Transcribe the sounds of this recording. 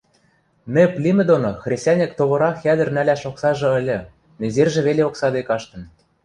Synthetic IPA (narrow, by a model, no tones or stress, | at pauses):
mʲɘ̆plʲimʲɘ̆d̪onoxrʲesʲtʲænʲĕkt̪oβɤ̆ɾɑxjæd̪ə̆rnælʲæʃoksɑʒɤ̆ə̆lʲɤ̆ | nʲĕzerʒĕβeleoksɑd̪ekɑʃt̪ɤ̆n